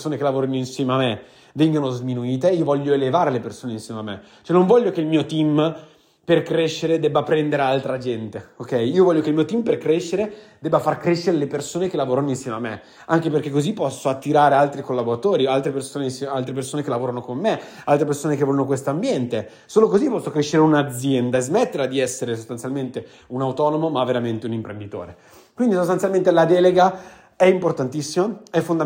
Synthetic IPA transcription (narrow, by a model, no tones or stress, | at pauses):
soːnekelavoːɾanoinsjɛːmeamːe | vɛŋɡanozminuiːt̪eiːovɔʎːoelevaːɾelepersoːneinsjɛːmeamːḛ | t͡ʃoɛnõɱvɔʎːjːokeilmiːot̪im | perkɾeʃːeɾed̪ɛbːapɾɛnd̪eɾealt̪ɾad͡ʒɛnt̪eokɛjiːovɔʎːokeilmiot̪imperkɾeʃːeɾed̪ɛbːafarkɾeʃːeɾelepersoːnek̟elːavoːɾanoinsjɛmeamːe | aŋkeperk̟ekːozipːɔsːoat̪ːiɾaːɾealt̪ɾikolːaboɾat̪oːɾialt̪ɾepersoːnensalt̪ɾepersoːnek̟elavoːɾanokomːe | alt̪ɾep̬ersoːnek̬evɔːjonokwest̪oambjɛnt̪e | soːlokozipːɔsːokɾeʃːeɾeunad̪zjɛnd̪aezmet̪ːeɾlad̪iɛsːeɾesost̪ansjalment̪e | unawt̪ɔːnomomavːeɾament̪eunimpɾend̪it̪o̰ːɾe | kwind̪is̬ost̪ansjalment̪elad̪ɛːleɡa | ɛimport̪ant̪isːimaɛfːond̪a